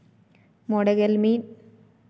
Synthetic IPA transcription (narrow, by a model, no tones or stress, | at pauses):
mɔɽɐɣɐlmiːn